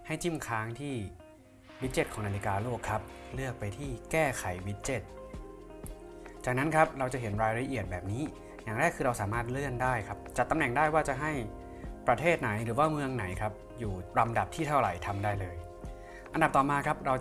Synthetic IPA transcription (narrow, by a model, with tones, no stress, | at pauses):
ha˥˩jt͡ɕʰi˥˩mkʰaː˦˥ŋt̪ʰiː˥˩ | wi˦˥t̪̚t͡ɕe˦˥˩t̚kʰɔː˩˦ŋnaː˧li˦˧˥kaː˧loː˥˩kʰːa˦˥p̚lɯ˥˩ək̚pa˧jt̪ʰiː˥˩kɛː˥˩kʰa˩˦jwi˦˥t̪̚t͡ɕe˦˩t̪̚ | t͡ɕaː˨˩k̚na˦˥nkʰa˦˥p̚ɾa˧wt͡ɕa˨˩ɦe˩˦nɾaː˧jɾa˧ʔi˨˩ət̪̚bɛː˨˩p̚niː˦˥ | jaː˨˩ŋɾɛː˥˩kʰːɯː˧ɾa˧wsaː˩˦maː˥˩t̪̚lɯ˥˩əndaː˥˩jkʰa˦˥p̚t͡ɕa˨˩t̪ːa˧mnɛ˨˩ŋdaː˥˩jwaː˥˩t͡ɕa˨˩ɦa˥˩j | pɾa˧t̪ʰeː˥˩t̪̚na˩˦jɾɯː˩˦waː˥˩mɯ˧əŋna˩˦jkʰa˦˥p̚ | juː˨˩ɾa˧mda˨˩p̚t̪ʰiː˥˩t̪ʰa˥˩wɾa̰˨˩jt̪ʰa˧mdaː˥˩jlɤː˧j | ʔa˧nda˨˩p̚t̪ɔː˨˩maː˧kʰa˦˥p̚ɾa˧w